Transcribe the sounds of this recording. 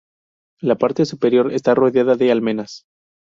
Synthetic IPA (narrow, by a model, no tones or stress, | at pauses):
lapaɾt̪e̞supe̞ɾjo̞ɾe̞̰st̪aro̞ðjaðaðealmẽ̞nas